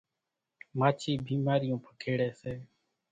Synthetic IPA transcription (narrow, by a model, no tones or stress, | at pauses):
maːt͡ʃʰiːbiːmaːɾɪjõːpʰəkʰeːɽeːseː